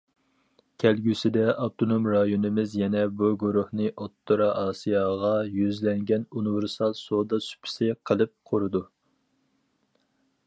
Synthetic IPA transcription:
kʲʰɛlɡʲysɪd̪ɛɑwt̪ʰonomɾɑjonɨmɪzjɛnɛbuɡuɾuhnɨʔot̪ʰːoɾɑʔɑːsijɑʁɑjyzlɛŋɡʲɛnunɨvɪɾsɑlˠsod̪ɑsy̥pʰɪ̥sɪqʰəlˠɨp̚qʰoɾɨd̪u

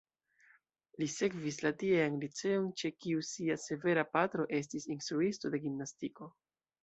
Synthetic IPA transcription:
lise̞kvislatieanlit͡se̞o̞nt͡ʃe̞kiusiase̞ve̞ɾapatɾo̞ʔe̞s̬tisinst̪ɾuisto̞de̞ɡimnastiko̞

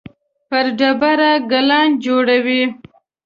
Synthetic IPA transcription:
pəɾɖabaɾaɡalɑnd͡ʒoɽawi

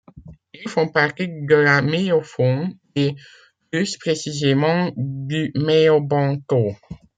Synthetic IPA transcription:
ilfɔ̃paʁt̪id̪əlamejɔfɔn | e | plyspχesizemɑ̃d̪ymejɔbɑ̃ko

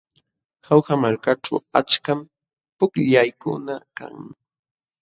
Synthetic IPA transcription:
xawxamaɾkaʈ͡ʂa̰wat͡ʃkam | pʊkʎajkʊ̰naka̰ŋm

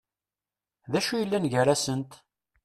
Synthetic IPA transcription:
ðæʃujəlːænʝəɾæsənt̪

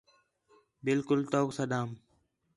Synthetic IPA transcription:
bɪlkʊlt̪oːksəd̪aːm

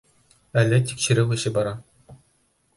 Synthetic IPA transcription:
ælʲːɘ̆t̪ʲi̥kɕɘ̆ɾʲɘwʲɘ̆ɕɘ̆bɑɾɑ

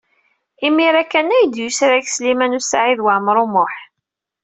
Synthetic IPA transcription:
imːiɾækːænæjəd̪jusɾæçslimænʊsaʕiðwaʕmɾˤʊmʊħ

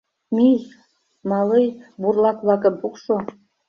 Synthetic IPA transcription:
mij | mɑlɤjburlɑkβlɑkə̆mpukʃo

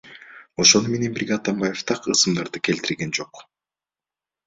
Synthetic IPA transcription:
o̞ʃo̞nume̞ne̞nbiɾɡʲeɑt̪ɑmbɑje̞ft̪ʰɑqɯsɯmd̪ɑɾd̪ɯkʲʰe̞lt̪iɾɡe̞nd͡ʒo̞q

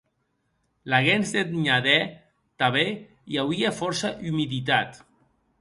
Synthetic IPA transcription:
laɣenzd̪et̪ɲaðɛ | t̪aβe | jawiefɔɾsaʔymiðit̪̬at̪

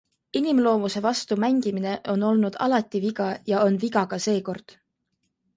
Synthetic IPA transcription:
inimlo̞ːmuse̞vɑst̪umæŋɡ̥imine̞ʔo̞no̞lnud̪̥ɑ̰lɑt̪ːiviɡ̥ɑjɑo̞nviɡɑɡ̥ɑse̞ːko̞rd̪̥

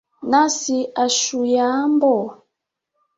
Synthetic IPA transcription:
nasiaʃujambɔ

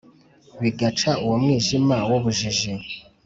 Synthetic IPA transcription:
βiɡat͡ʃauwomŋiːʒimawoβuʒiʒi

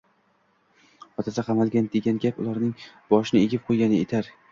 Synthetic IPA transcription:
hɒt̪ʰasaqʰɑmalɡʲand̪eɡʲanɡʲapʊlˠaɾnɪŋb̥ɒʃɪnɪeɡʲɪp̚qʰojɡʲanɪet̪ʰaɾ

